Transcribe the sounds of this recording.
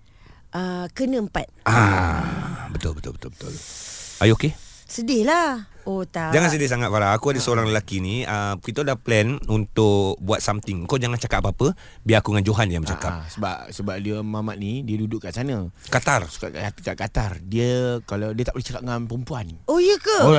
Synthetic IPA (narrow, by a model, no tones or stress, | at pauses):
ʔəkənəəmpat̪̚a | bət̪ʊlbət̪ʊ̰lbət̪ʊ̰lbə̥t̪ʊ̰lajokesədɪlaot̪ad͡ʒaŋansədɪsaŋat̪̚faɾaːkuadəsəoɾaŋləlakiniəkit̪ədahplɛnunt̪ʊkbuat̪̚samt̪ɪŋkawd͡ʒaŋant͡ʃakapʔ̚paapə | biaakuŋand͡ʒoɦanjaŋmət͡ʃa̰ʔka̰p̚səbap̚səbap̚diəmamaʔ̪̚nidiədudʊʔkaʔsanəkat̪arsu̥kaʔkaat̪ikaʔkat̪ardiəkaladiət̪aʔbəlit͡ʃakap̚ŋanpəɾəmpuanojəkə